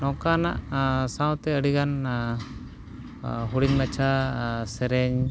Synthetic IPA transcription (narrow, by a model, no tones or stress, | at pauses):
nɔ̃kanaʔsawt̪ɛəɽiɡan | ɦuɽiɲmat͡ʃʰasɛɾɛɲ